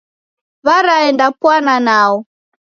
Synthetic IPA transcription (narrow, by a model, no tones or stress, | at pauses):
βaɾaɛndapwananaɔ